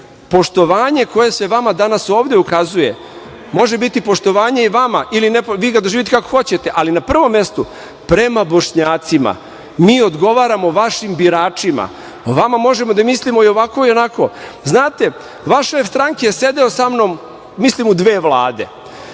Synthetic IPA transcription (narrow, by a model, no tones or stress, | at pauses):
po̞ʃt̪o̞ʋaːɲe̞ko̞je̞sʋe̞ʋamad̪anaso̞ːʋd̪e̞ukazuje̞̰ | mo̞ʒebit̪ipo̞ʃt̪o̞ʋaːɲe̞iʋamaʔilinepʋiːɡad̪oʒiːʋit̪kakoxo̞t͡ɕe̞t̪e̞ʔalinapr̩ʋo̞mːje̞st̪u | pɾe̞mabo̞ʃɲaːt̪sima̰ | miːo̞d̪ɡo̞ʋaːɾamo̞ʋaʃimbiɾaːt͡ʃima̰ | oʋamamo̞ʒe̞mo̞d̪amislimo̞io̞ʋako̞io̞nako̞znaːt̪e̞ | ʋaʃefst̪ɾaŋkejese̞d̪e̞osamno̞m | mislimud̪ʋe̞ːʋlˠaːd̪e̞̰